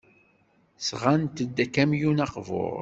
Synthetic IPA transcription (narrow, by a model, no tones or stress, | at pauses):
sʁant̪əd̪ːækːæmjunɑqvʊ̰ɾˤ